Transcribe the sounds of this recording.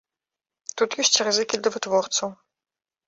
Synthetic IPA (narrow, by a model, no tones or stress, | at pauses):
t̪ut̪jɔɕʲt͡ʃrɨzɨkʲid̪ɐvɨt̪vɔrt̪sɐw